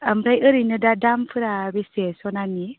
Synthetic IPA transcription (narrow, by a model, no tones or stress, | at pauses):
amɾajɯɾɯjnɯdadampʰɯɾabesesɔnani